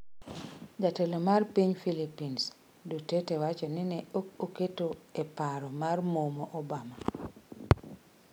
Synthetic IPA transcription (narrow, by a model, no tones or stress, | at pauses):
d͡ʒatɛlɔmaɾpiɲfilipins | dutetɛwat͡ʃɔninɛokoketoɛpaɾɔmaɾmomɔʔɔbama